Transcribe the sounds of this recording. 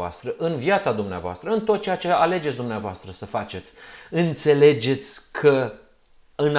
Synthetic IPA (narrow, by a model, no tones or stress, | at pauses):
a̰st̪ɾəʔɨnvjat̪sad̪umnea̰voa̰st̪ɾəɨnt̪o̞t̪̚t͡ʃe̞jat͡ʃe̞ale̞d͡ʒe̞tsʲd̪umneavoast̪ɾəsəfat͡ʃe̞t̪sʲɨnt̪se̞le̞d͡ʒe̞t̪sʲkʰə | ɨn